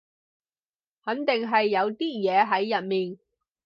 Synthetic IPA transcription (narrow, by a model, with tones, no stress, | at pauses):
hɐ˨˥nt̪ɪ˨ŋɦɐ˨jːɐ˨˧wt̪iː˥jɛː˨˧ɦɐ˨˥jːɐ˨t̚miː˨˩n